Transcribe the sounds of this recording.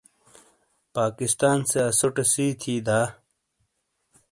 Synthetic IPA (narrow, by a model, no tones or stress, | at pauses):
paːkist̪aːnseɐsoʈesiːt̪ʰiːd̪aː